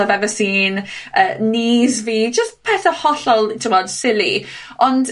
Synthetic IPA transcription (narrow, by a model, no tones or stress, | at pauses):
avɛvəsiːnəːniːzviːd͡ʒəstpʰɛːθəhɔɬɔlˠtʰɪmɔd̥sɪlḭ | ɔnd